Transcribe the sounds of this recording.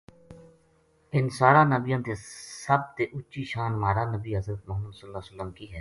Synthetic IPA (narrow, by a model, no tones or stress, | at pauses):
ɪnsaːɾãːnɐbijãːt̪esɐb̚t̪eʔʊt͡ʃiʃaːnmaːɾaːnəbiːɦɐzɾət̪mɐɦmuːd̪səlːaːsəlːəmkiɦɛː